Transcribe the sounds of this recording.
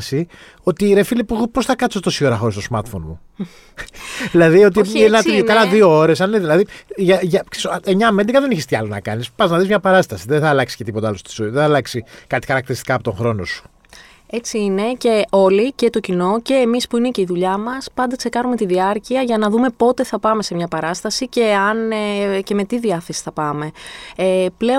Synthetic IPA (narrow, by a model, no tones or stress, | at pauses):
si | o̞t̪iːɾe̞filepuɣupo̞sθɐkɐt̪isot̪o̞sioɾɐxoɾist̪o̞smɐɾt̪fo̞nmu | ðilɐðio̞t̪̬iinɐit̪ɐlɐðiooɾe̞sɐneðilɐðiʝɐʝɐksesoeɲɐmend̪iɡɐðeniçest̪iɐlonɐ̰kɐnispɐznɐðizmɲɐpɐɾɐst̪ɐsiðenθɐlɐksi̥ce̞t̪ipo̞t̪ɐɐlost̪o̥soðeθɐlɐksikɐt̪i̥xɐɾɐkt̪iɾist̪ikɐːpo̞t̪o̞ŋxɾo̞nosu̥ | e̞t͡siine̞ce̞o̞lice̞t̪o̞cino̞ce̞ːmispuine̞ce̞iðuʎɐmɐspɐnd̪ɐkse̞kɐnume̞t̪iðiɐɾciɐʝɐnɐðume̞po̞t̪e̞θɐpɐme̞se̞mɲɐpɐɾɐst̪ɐsice̞ɐnce̞me̞t̪iðiɐθe̞si̥θɐpɐme̞eple̞